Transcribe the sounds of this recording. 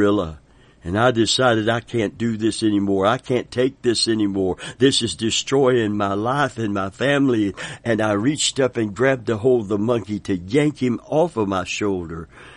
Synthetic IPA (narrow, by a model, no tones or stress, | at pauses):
ɪlˠə̰ | ɨ̃naɪdɨsaɪɾɨɾaɪkʰæ̃nd̥ɨðɪsɛnimɔɹaɪkʰæ̃ntʰeɪk̚ðɪsɛnimɔɹðɪsɨzdɨstɹ̥ɔɪɪ̃ŋmaɪlaɪfɨ̃nmaɪfæ̃mliɨ̃naɪɹit͡ʃtʌpɨ̃nɡɹæb̚təɦoʊlˠd̪̚ðəmʌ̃ŋkiɾɨjæ̃ŋkhɨ̃mɔfʌvmaɪʃoʊlˠdə˞